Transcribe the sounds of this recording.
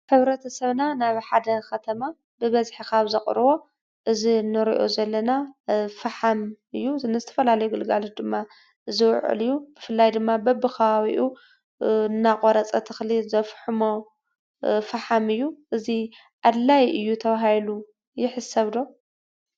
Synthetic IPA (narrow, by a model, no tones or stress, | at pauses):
ħɨβɾɐt̪ʰɐsɐβnanaβħad̪ɐkʰɐt̪ʰɐma | bɨβɐzħikaβzɐχʼɾβo̞ | ʔɨzinɨɾḭʔo̰zɐlːɐnafɐħam | ɨjːunɨzɨt̪ʰɐ̥fɐlalɐjuɡɨlɡalot̪̚d̪ɨmːa | ʔɨzɨwʕɨ̰lɨjːub̥ɨfɨlːajd̪ɨmːabɐbɨkʰɐβaβiʔu | nːakʼoɾɐt͡sʼɐt̪ʰɨxlizɐfħɨmo | faħamɨjːuʔɨzi | ʔad̪lajʔɨjːut̪ʰɐβaɦajlu | jɪħɨsɐβd̪o̞